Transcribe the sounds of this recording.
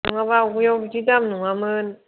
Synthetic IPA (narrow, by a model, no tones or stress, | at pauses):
ɯŋaβauɡjɔbd͡ʒidamnuŋamɯn